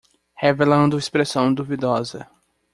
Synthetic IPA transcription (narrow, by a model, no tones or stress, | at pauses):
hevelɐ̃nd̪ʊispɾesɐ̃w̃d̪uvid̪ɔzɐ